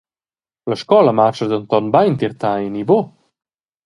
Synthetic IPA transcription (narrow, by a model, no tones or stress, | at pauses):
ləʃkɔləmat͡ʃəd̪ənt̪ɔnbajnt̪iɾt̪ainibo